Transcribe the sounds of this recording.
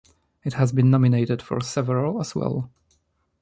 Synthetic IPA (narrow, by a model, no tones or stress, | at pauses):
ɨthæzbɨ̃nːɑmɪneɪtɨd̥fɔ̰ɹsɛvəɹəl̩ˠəzwɛ̰lˠ